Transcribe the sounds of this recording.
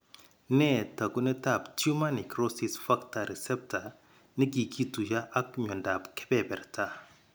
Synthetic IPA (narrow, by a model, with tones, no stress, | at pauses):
nɛ˦˨ta˨ku˦nɛ˦ta˨ptu˦ma˦ni˨kɾosi˨sfa˦kta˨ɾisɛ˦p̚ta˨ | ni˦ki˨kʰi˦tu˨d͡ʒa˦ʔa˦kɲɔ˨nda˨pkɛ̥˦bɛbɛ˨ɾta˦